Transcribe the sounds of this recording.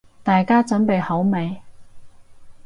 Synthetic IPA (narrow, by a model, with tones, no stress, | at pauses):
t̪aː˨jkaː˥t͡sɵ˨˥npe˨˧jhɐ˨˥wme˨j